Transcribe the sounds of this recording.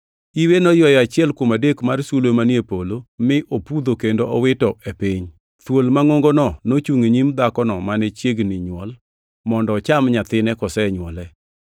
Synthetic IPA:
iwenɔjɔjat͡ʃɪɛlkomadekmarsulomanjepolomɪʔopud̪okendoʔɔwɪtɔʔepiɲ | t̪wolmaŋoŋɡonɔnot͡ʃuŋeɲimd̪akɔnɔmanɛt͡ʃjeɡnɪɲwɔl | mɔndɔːt͡ʃamɲat̪ɪnɛkɔsɛɲwɔlɛ

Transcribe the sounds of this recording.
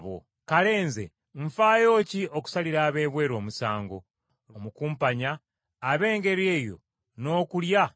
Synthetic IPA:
βo̰ | kale̞ːnzḛ | ɱ̩faːjo̞ːciʔo̞ku̥saliɾaːβe̞ːβwe̞ːɾo̞ːmusaːŋɡo̞̰ | omukuːmpaɲaː | βe̞ːŋɡe̞ɾje̞ːjo̞̰ | no̞ːkulja

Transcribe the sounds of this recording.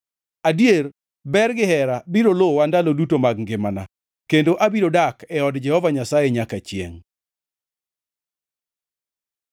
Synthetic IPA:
adjer | bɛrɡɪhɛɾabiɾolowandalodutomaɡŋɡɪmana̰ | kendoʔabiɾodakɛɔdd͡ʒɛhɔvaɲasajeɲakat͡ʃjḛŋ

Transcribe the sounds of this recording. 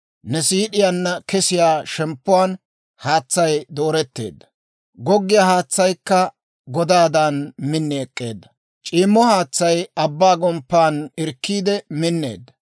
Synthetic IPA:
nɛsiːɗɪjanːɐkɛsɪjaːʃɛmpːʊwaːn | haːt͡sːɐjd̪o̞ːɾɛt̪ːe̞̰ːd̪ːɐ̥ | ɡɔɡːɪjahaːt͡sːɐjkːɐ | ɡɔd̪aːd̪anmɪnːɛkʼːe̞̰ːd̪ːɐ̥ | t͡ʃʼiːmːɔhaːt͡sːɐjɐbːaːɡɔmpːaːnɪɾkːiːd̪ɛmɪnːḛːd̪ːɐ

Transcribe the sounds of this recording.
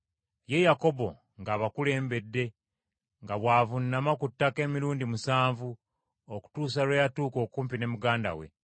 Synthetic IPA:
je̞jako̞bo̞ | ŋɡaːβakule̞ːmbe̞dːe̞ | ŋɡaβwaːvunːamakutːake̞ːmiɾuːndimusaːɱvu | oku̥tuːs̬alwejatuːko̞ːkuːmpine̞muɡaːnda̰we̞̰

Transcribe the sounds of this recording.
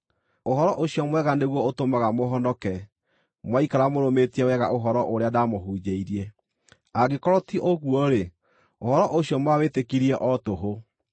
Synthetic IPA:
oɦɔɾɔʔoɕjɔmwɛɣaneɣwɔotomaɣamoɦɔndɔkɛ | mwaikaɾamoɾometiɛwɛɣa̰ʔoɦɔɾɔʔoɾeadamoɦud͡ʒeiɾiɛ | aɣekɔɾɔtiʔoɣwɔɾe | ohɔɾɔʔoɕijɔmwawetekiɾiɛʔɔtoɦo

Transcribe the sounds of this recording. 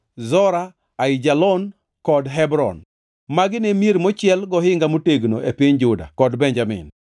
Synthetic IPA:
zɔɾaː | ɪd͡ʒalɔn | kɔdɦɛbɾɔ̰n | maɡɪnemjeɾmɔt͡ʃɪɛlɡɔhɪŋɡamoteɡno̰ʔepiɲd͡ʒʊda̰kɔdbeɲd͡ʒamɪ̰n

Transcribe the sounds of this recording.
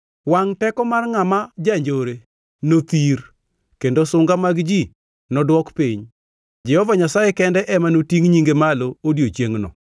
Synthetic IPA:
waŋtɛkɔmarŋamad͡ʒaɲd͡ʒoɾe | not̪ir | kendosʊŋɡamaɡd͡ʒi | nɔdwɔkpiɲ | d͡ʒɛhɔvaɲasajɛkɛndɛʔɛmanotiŋɲiŋɡemaloodjot͡ʃjeŋnɔ̰

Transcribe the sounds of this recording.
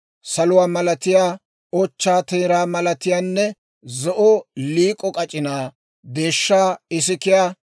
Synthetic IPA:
sɐlʊwaːmɐlɐt̪ɪjaː | ɔt͡ʃːaːt̪ɛːɾaːmɐlɐt̪ɪjaːnːɛ | zɔʔɔliːkʼɔkʼɐt͡ʃʼɪnaː | d̪e̞ːʃːaːɪsɪkɪjaː

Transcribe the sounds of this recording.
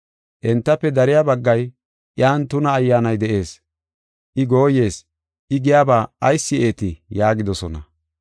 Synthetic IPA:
ʔɛnt̪ːɐpːɛd̪ɐɾɪjaːbɐɡːɐj | ʔɪjaːnt̪ʊnɐːjːaːnɐjd̪ɛʔe̞ːs | ʔɪɡo̞ːje̞ːs | ʔɪɡɪjaːbaːɐjsːɪe̞ːt̪ɪjaːɡɪd̪ɔsɔnɐ̰

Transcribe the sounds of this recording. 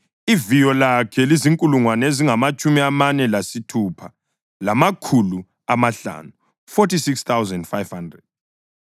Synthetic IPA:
ivijɔlakʰɛliziŋkʼuluŋwaneziŋamat͡ʃʼumiamanɛlasitʰupʰa | lamakʰulu | amaɬa̰ːnu | fotisikst̪awzɛndfajv̥handrɛd̥̚

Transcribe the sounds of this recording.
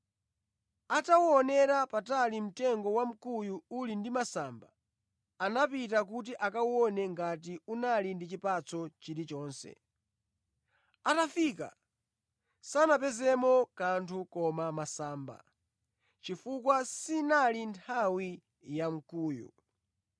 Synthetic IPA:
atawɔnɛɾapatalim̩tɛŋɡɔwam̩kujuulindimasaːmbaː | napitak̬ut̬iʔakawɔnɛŋɡat̬iunalindit͡ʃipat͡sɔt͡ʃiɾit͡ʃɔːnsɛ̰ | atafiːka̰ | sanap̬ɛzɛmɔkantʰukɔmamasaːmba̰ | t͡ʃifukwasinalintʰawi | jam̩kuːjṵ

